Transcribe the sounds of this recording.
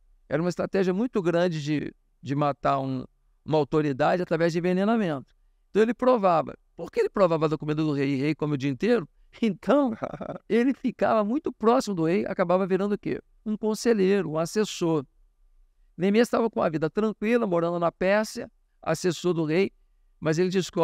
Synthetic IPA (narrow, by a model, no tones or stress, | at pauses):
ɛ̰ɾɐũmɐist̪ɾat̪ɛʒiɐmũj̃t̪ʊɡɾɐ̃d͡ʒɪd͡ʒɪ̰ | d͡ʒɪmat̪aɾũ | ũmɐawt̪oɾid̪ad͡ʒɪat̪ɾavɛzd͡ʒɪvenẽnamẽnt̪ʊ̥ | ẽt̪ɐ̃w̃elɪpɾovavɐ̰poɾkeelɪpɾovavɐd̪ɐkomĩd̪ɐd̪ʊhejɪhejkõmʊʊd͡ʒiɐĩnt̪ejɾʊ | ẽnt̪ʰɐ̃w̃elɪfika̰vɐmũj̃t̪ʊpɾɔsimʊd̪ʊheja̰kabavɐviɾɐ̃nd̪ʊkḛ | ũkõseʎeɾʊũasesoɾ | lẽmist̪avɐkõɐvid̪ɐt̪ɾɐ̃ŋkwilɐmoɾɐ̃nd̪ʊnɐpɛsiɐ̰ | a̰sesoɾd̪ʊhej | mɐzelɪd͡ʒisko